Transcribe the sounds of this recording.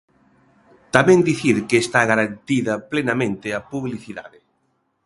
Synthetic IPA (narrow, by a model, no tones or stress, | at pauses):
t̪amẽnd̪iθiɾkeːst̪aɣaɾant̪iðɐplenamẽnt̪ɪapuβliθiða̰ðɪ